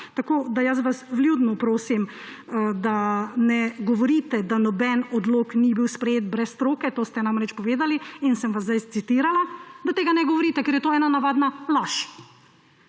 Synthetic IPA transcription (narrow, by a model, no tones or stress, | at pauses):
t̪akoːd̪ajas̬ʋasʋljuːd̪nupɾoːsim | d̪anɛɡɔʋɔɾit̪ɛd̪anɔbɛnɔd̪loːknibiwspɾɛjeːt̪̚bɾɛsːt̪ɾoːkɛt̪oːst̪ɛnamɾɛt͡ʃpɔʋeːd̪aliinsɛmʋazd̪ajt̪sit̪iɾalad̪at̪eːɡanɛɡɔʋɔɾit̪ɛkeɾjɛt̪oːɛːnanaʋaːd̪nalaʃ